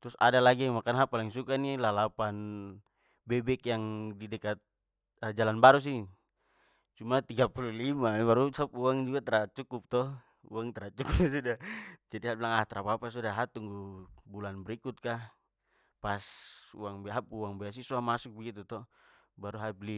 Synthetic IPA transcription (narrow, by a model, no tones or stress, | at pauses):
t̪ɾusa̰dalaɡimakanɦapalɛŋsukanilalapan | bɛbɛkjaŋdidɛkat̪̚ | əd͡ʒalanbaɾus̬i | t͡ʃumat̪iɡapululimabaɾusap̚uaŋd͡ʒuɡat̪əɾat͡ʃukup̚t̪ɔh | ṵaŋt̪əɾat͡ʃukusudad͡ʒadihat̪bilaŋat̪əɾapapas̬udaɦat̪uŋɡubulanbəɾikut̪̚ka | pasṵaŋbɛɦap̚uaŋbɛas̬isuamasuk̚bɛɡit̪ut̪ɔ | baɾuɦabli